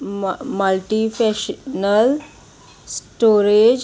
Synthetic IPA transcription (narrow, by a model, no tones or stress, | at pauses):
məlʈifɛɕnəl | sʈoɾed͡ʑ